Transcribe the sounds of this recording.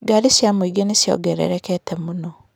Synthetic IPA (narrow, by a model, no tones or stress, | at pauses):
ɡaɾisjamoiɡenesjɔ̰ɡɛɾḛɾɛkɛtɛmunɔ